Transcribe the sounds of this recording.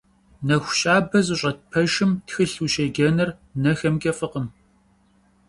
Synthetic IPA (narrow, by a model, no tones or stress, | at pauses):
nɐxʷɕʼaːbɐzʼɨɕʷʼɐt̚pʰɐʒɨmtxɨɬuːʃɐɡɐnɨr | nɐxɐmkʲɐfɨqən